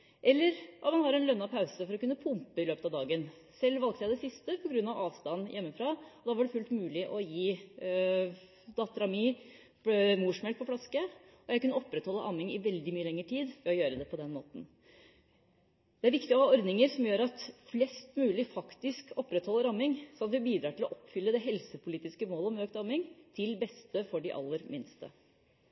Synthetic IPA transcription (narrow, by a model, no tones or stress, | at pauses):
ʔɛlːəɾʔɔmɑnhɑɾɛnlœnːɑpʰɑʉsəfɔɾɔkʉnːəpʰʊmpəɪløːpət̪ɑʋd̪ɑːɡən | sɛlːʋɑlk̚t̪əjæɪd̪ɛsɪst̪əpʰɔɡɾʉnːɑʋɑːʋst̪ɑnːjɛmːəfɾɑɔd̪ɑːʋɑɖɛfʉlt̪mʉːlɪʔɔjiː | d̪ɑːt̪ːəɾɑmiː | muːʂmɛl̚pʰɔflɑskə | ɔjæɪkʉnəɔpːɾɛt̪hɔlːəʔɑmːɪŋɪʋɛld̪ɪmyːəlɛŋːəʈʰiːd̪ʋɛɔjøːɾəd̪ɛpʰɔd̪ɛnmo̰ːt̪n̩ | d̪̥ɛæɾʋɪkt̪ɪɔhɑːɔɾd̪nɪŋəɾsɔmjøːɾɑt̪flɛst̪mʉːlɪfɑkt̪ɪskɔpːɾɛt̪hɔlːəɾɑmːɪŋsɔnɑt̪ʋɪbiːd̪ɾɑːʈɪlɔʔɔpːfʏlːəd̪ɛɦɛlsəpʰʊliːt̪ɪskəmoːləɔmøːkt̪ɑmːɪŋt̪ʰɪlbɛst̪əfɔɖɪʔɑ̰lːəɾmɪnst̪ə̰